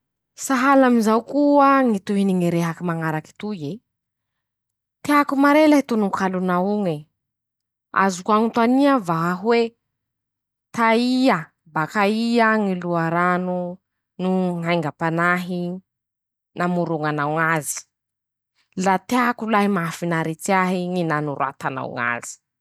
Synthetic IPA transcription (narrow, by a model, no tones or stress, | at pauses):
saɦalamizawkuəŋit̪uɦiniŋiɾeɦakimaŋaɾaki̥t̪uje | t̪eakumaɾelait̪unukalunauŋe | a̰zukaŋut̪aniavaɦaɦuwe | t̪aia | bakaiaŋiluaɾanu | nuŋajŋɡapanaɦi | namuɾuŋanawŋazi̥ | lat̪eakulaɦimafinaɾit̪iaɦiŋinanuɾua̰t̪ana̰w̰ŋa̰z̥i̥